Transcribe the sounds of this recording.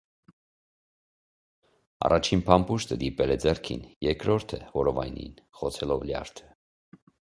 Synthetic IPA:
ɑ̰rɑt͡ʃʰinpʰɑmpuʃt̪əd̪ipɛlɛd͡zɛrkʰḭnjɛɾkɾɔɾt̪ʰəvɔɾɔvɑjnḭnχɔt͡sʰɛlɔvljɑ̰ɾt̪ʰə̥

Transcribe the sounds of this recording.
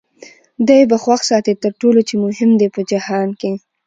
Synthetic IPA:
d̪ajbaxwaxsɑt̪et̪əɾʈolot͡ʃemʊɦɪmd̪epəd͡ʒahɑnke

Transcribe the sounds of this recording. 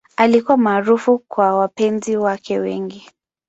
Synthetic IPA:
alikuwamaːɾufukwawapɛnziwakɛwɛ̰ŋɡi

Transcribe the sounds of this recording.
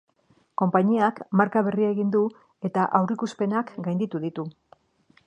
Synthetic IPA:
ko̞mpaɲiakmaɾkaβ̞e̞rieɣind̪u | e̞t̪aʔawɾikuspe̞nakɡajnd̪it̪uðit̪u

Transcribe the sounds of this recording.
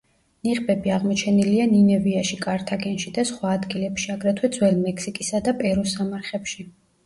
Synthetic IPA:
niʁbɛbiaʁmɔt͡ʃʰɛnilianinɛviaʃikʼaɾt̪ʰaɡɛnʃid̪asχwaːd̪ɡilɛpʃiaɡɾɛt̪ʰwɛd̪zwɛlmɛksikʼisad̪apʼɛɾɔsamaɾχɛpʃi

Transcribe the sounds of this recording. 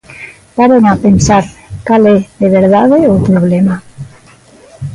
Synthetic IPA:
paβeŋapensaɾkaleðeβeɾðaðeupɾoβlema

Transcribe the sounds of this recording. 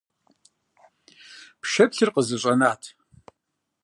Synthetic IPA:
pʰʃɐpɬɨrqəzɨɕʼɐnaːtʰ

